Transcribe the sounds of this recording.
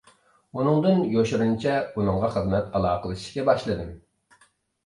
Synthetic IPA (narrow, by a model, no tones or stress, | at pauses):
unɨŋd̪ɨnjoʃɾunt͡ʃʰɛunɨŋʁɑχəzmɛt̪ɑlˠɑːqəlˠʃi̥ʃkʲɛbɑʃlˠɨd̪ɨm